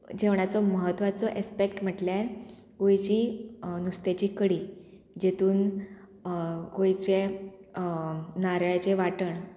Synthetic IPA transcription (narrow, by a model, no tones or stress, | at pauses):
d͡ʑeʋɳ̃at͡sɔməɦət̪ːʋat͡sɔʔespekʈm̤əʈljaɾ | ɡojt͡ɕiːnust̪et͡ɕiːkəɽiː | d͡ʑet̪uːn | ɡojt͡ɕe | naɾajt͡ɕeʋaʈəɳ